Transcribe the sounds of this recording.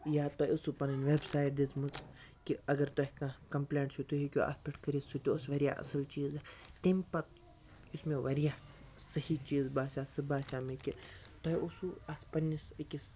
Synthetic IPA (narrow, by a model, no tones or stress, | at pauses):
jaːt̪oʊsupɐnɐnʲʋeːbsaːjʈ̚d̪it͡smut͡s | kiɐɡɐɾt̪ɔɦʲkãkɐmpleːɳʈsut̪uɦikʲuʔɐ̰spɐʈkɐɾisut̪ʲoosʋɐɾija̰ːʔɐ̰sɐlt͡ʃiːzɐt̪empɐt̪ | ʊsmẽʋɐɾijaː | sɐhit͡ʃiːzbaːsʲaːsɨbaːsʲaːmeki | t̪ɔusuɐspɐnisikʲis